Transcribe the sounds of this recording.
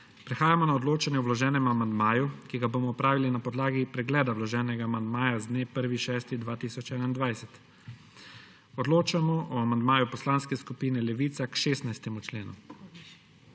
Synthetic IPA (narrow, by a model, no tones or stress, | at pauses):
pɾɛxaːjamɔnaɔd̪loːt͡ʃanjɛɔwlɔʒɛːnɛmamand̪maːjukiɡaboːmɔɔpɾaːʋilinapɔd̪laːɡipɾɛɡlɛːd̪awlɔʒɛːnɛɡaːmand̪maːjazd̪neːpəɾʋiʃɛːst̪id̪ʋaːt̪iːsɔt͡ʃɛːnaind̪ʋajsɛt̪ | ɔd̪loːt͡ʃamɔʔɔamand̪maːjupɔslanskɛskupiːnɛlɛʋiːt̪sakʃeːst̪najst̪ɛmut͡ʃleːnṵ